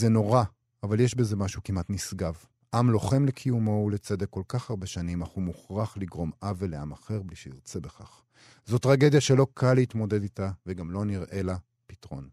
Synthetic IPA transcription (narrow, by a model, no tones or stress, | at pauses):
zeno̞ʁa | avaljeʃbeze̞maʃukimat̪nisɡav | ʔamlo̞χe̞mlekʰijumo̞let͡se̞d̪ekːo̞lkaχhaʁbeʃanimaχumuχʁaχliɡʁo̞maveleamaχe̞ʁbliʃeiʁt͡se̞beχaχ | zo̞tːʁaɡed̪jaʃelo̞kʰalitmo̞de̞d̪itaveɡamlo̞niʁʔe̞la | pit̪ʁo̞̰n